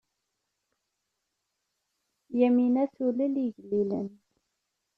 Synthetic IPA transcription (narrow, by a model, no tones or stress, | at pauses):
jæminæθuləliʝlːilə̰n